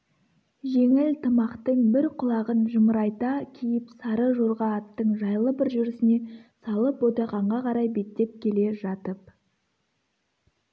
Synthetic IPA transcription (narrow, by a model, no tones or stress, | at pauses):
ʒe̞ŋɪlt̪ʰəmɑqt̪əɴbɪɾqʰʊlˠɑʁənʒəməɾɑjt̪ɑkʲʰijɪpsɑɾəʒo̞ɾʁɑːt̪ːəɴʒɑjlˠəbɪɾʒʏɾɪsɪne̞sɑlˠəpod̪ɑʁɑɴʁɑqʰɑɾɑjbe̞t̪ːe̞p̚kʲʰe̞le̞ʒɑt̪əp̚